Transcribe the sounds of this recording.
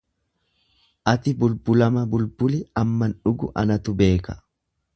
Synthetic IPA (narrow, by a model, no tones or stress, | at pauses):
ʔɐt̪ɪbʊlbʊlɐmɐbʊlbʊlɪɐmːɐnᶑʊɡʊ̰ʔɐ̰nɐt̪ʊbe̞ːkɐ̥